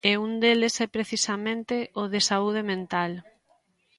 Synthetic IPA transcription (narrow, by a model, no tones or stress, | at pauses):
eund̪elesɛpɾeθisamẽnt̪eʔoðesauð̞emẽnt̪al